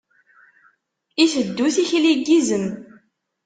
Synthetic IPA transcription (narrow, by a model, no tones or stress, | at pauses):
iθəd̪ːuθiçliɡizəm